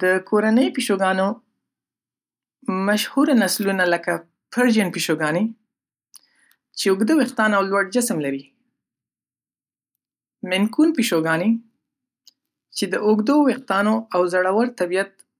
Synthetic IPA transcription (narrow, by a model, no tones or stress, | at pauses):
d̪̥əkʰoɾanəjpiʃoɡɑno | maʃhuɾanaslunaləka | pʰəɾd͡ʒənpiʃoɡɑne | t͡ʃeʊɡd̪əweqt̪ɑnawlwaɽd͡ʒɪsmlaɾi | mɪnkunpiʃoɡɑne | t͡ʃed̪əʔʊɡd̪oweq̚t̪ɑnoawzaɽawəɾt̪abijat̪̚